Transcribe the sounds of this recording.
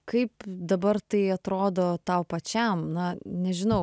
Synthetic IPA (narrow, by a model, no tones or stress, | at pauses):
kɐɪpd̪ɐbɐrt̪ɐɪɐt̪ɾoːd̪oːt̪ɐʊpɐt͡ʃʲɛmnɐnʲɛʒʲɪnɐʊ